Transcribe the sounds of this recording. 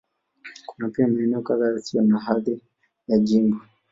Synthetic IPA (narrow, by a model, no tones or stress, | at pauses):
kunapiamaɛnɛɔkaðaasiɔnaɦaði | jad͡ʒimbɔ